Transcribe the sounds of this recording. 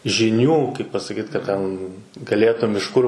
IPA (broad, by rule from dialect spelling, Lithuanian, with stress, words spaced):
ʒʲɪˈnʲuː kɐɪp pɐsɐˈkʲiːt kɐ ˈtʲɛn ɡɐˈlʲeːtʊm ɪʃ ˈkʊr